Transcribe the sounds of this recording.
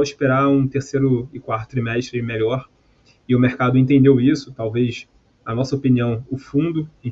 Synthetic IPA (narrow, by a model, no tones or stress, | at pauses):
wiʃpeɾaũt̪eɾsejɾʊɪkwaɾt̪ʊ̥t̪ɾimɛʃt̪ɾɪmeʎɔɾ | ɪʊmeɾkad̪ʊẽt̪ẽnd̪ewisʊ̥t̪awves | ɐnɔsɐopiniɐ̃w̃ʊfũd̪ʊ̃